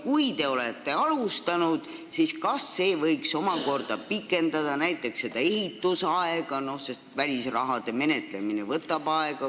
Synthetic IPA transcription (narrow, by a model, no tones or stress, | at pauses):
kujd̪e̞o̞let̪ːe̞ɑlust̪ɑnud̪̥ | siskɑsːe̞ːvɤjkso̞mɑko̞rd̪̥ɑpikːˑe̞nd̪̥ɑd̪̥ɑnæjt̪ːˑe̞ksːe̞d̪̥ɑe̞ɦit̪ːˑusɑeɡ̥ɑno̞hse̞st̪vælʲisrɑɦɑd̪̥e̞me̞ne̞t̪ˑle̞minevɤt̪ːˑɑb̥ɑeɡ̥ɑ